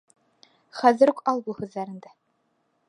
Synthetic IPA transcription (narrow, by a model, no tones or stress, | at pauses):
χæðɘ̆ɾukɑlˠbuhʉðːæɾɘ̆nd̪æ